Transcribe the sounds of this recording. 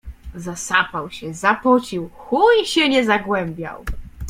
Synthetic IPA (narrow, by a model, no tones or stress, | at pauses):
zasapawɕɛzapɔt͡ɕiwxujɕɛɲɛzaɡwɛmbʲja̰w